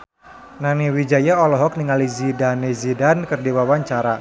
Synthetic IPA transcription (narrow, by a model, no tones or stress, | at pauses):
naniwid͡ʒajaɔlɔɦɔk̚niŋalizidanezidankɨrdiwawaɲt͡ʃaɾa